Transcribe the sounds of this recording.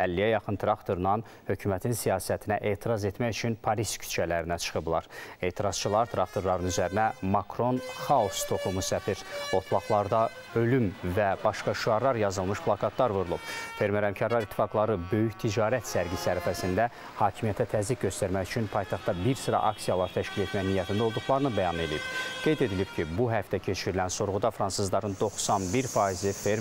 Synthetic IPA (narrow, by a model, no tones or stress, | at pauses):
ælːijæjɑχɯnt̪ʰɾɑkt̪ʰo̞ɾnɑn | hø̞cʰymæt̪ʰinsijɑːsæt̪ʰinæʔe̞ːt̪ʰiɾɑze̞t̪mæjyt͡ʃʰynpʰɑɾiscʰy̥t͡ʃʰælæɾinæt͡ʃʰɯ̥χɯblˠɑ̰ɾe̞ːt̪ʰiɾɑz̥t͡ʃʰilˠɑɾt̪ʰɾɑk̚t̪ʰo̞ɾlˠɑɾɯnyzæɾinæmɑkʰɾo̞nχɑust̪ʰo̞χˠumusæfiɾo̞t̪ʰlˠɑχlˠɑɾd̪ɑ | ø̞lymvæbɑʃkɑʃuɑɾlˠɑɾjɑzɯlˠmɯʃpʰlˠɑkʰɑt̪lˠɑɾvuɾulˠub̥fe̞ɾmeɾhæmcʰɑɾlˠɑɾit̪ʰːi̥fɑɡlˠɑɾɯbø̞jyçt̪ʰid͡ʒɑːɾæt̪sæɾɡisæɾæfæsind̪æ | hɑːcʰimijæt̪ʰæt̪ʰæzlik̚ɟø̞st̪æɾmæçyt͡ʃʰynpʰɑjt̪ʰɑχt̪ːɑbiɾsɯɾɑ̰ʔɑksijɑlˠɑɾt̪ʰæʃcile̞t̪mæjnijæt̪ʰind̪æo̞lˠd̪uχlˠɑɾɯnɯbæjɑne̞lijib̥ɡ̥e̞jd̪e̞d̪ilibcʰibuɦæft̪ʰæcʰe̞t͡ʃʰiɾilænso̞ɾʁud̪ɑfɾɑnsɯzlˠɑɾɯnd̪o̞χsɑnbiɾfɑizifeɾ